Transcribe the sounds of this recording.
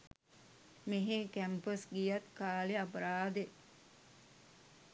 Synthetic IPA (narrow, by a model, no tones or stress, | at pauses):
meɦekæmpəsɡijat̪kaːleapɐɾaːd̪e